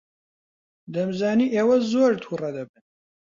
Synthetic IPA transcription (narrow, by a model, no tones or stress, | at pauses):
d̪ɐmzaːniːʔeːwɐzoːɾt̪ʰurɐd̪ɐbɨn